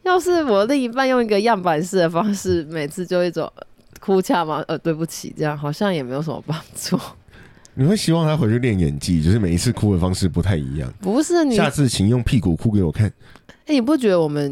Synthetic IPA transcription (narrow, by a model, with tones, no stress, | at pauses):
jɑ˥˧ʊʂɻ̩˥˩wɔ˨˩li˥˧˩ŋi˧˥pa˥˧njo˥˩ŋi˧˥ɡə˧jɑ˥˩ŋpa˨˩nʂɻ̩˥˩d̪ə˩fɑ˥ŋʂɻ̩˥˩me˨˩ɪt͡sʰɹ̩˥˧t͡ɕjo˥˧ʊi˥˩t͡so̰˨˩ŋ | kʰu˥t͡ɕʰja˥˩ma˨˩ʔə˧˩t̪we˥˧ɪp̬u˥˩t͡ɕʰḭ˨˩ʈ͡ʂɤ˥˧jɑ˥˩ŋxɑ˨˩ʊɕjɑ˥˩ŋjɛ˨˩me˧˥ɪjo˧˥ʊʂə˨mə̰˧˦pɑ˥˦ŋt͡su˥˩ | ni˨˩xwe˥˩ɪɕi˥wɑ˥˨ŋt̪ʰa˥xwe˧˥t͡ɕʰy˥˧ljɛ˥˩njɛ̰˨˩nt͡ɕḭ˥˧˦t͡ɕjo˥˧ʊʂɻ̩˥˩me˨˩ɪi˧˥t͡s̩ʰ˥˩kʰu˥d̪ə˨fɑ˥ŋʂɻ̩˥˩pu˨˦t̪ʰa˥˩ɪḭ˧˦˥jɑ̰˥˩ŋpu˧˥ʂɻ̩˥˩ni˨ja˥˨˧t͡sɹ̩˥˨t͡ɕʰi˨˩ŋjo˥˧ŋpʰi˥˩ku˨˩kʰu˥k̬e˧˥ɪwɔ˨˩kʰa˥˩n˥ni˨˩p̬u˥˩t͡ɕɥɛ˧˥d̪ə˧wɔ˨˩mə˨˦n